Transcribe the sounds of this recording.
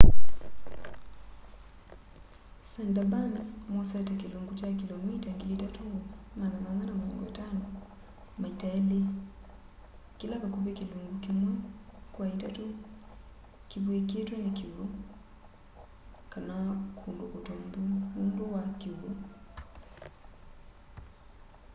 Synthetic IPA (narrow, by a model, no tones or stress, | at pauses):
sandabansmɔsatakiluŋɡut͡ʃakilɔmitaŋɡilitatumananananamaɛ̰ŋɡɔja̰tanɔ | maitaɛli | kilaβakupɛkiluŋɡukimwɛkwaitatu | kivuikiɛtwɛnakiulu | kanakʰundɔkɔtɔmbuundɔwakiulu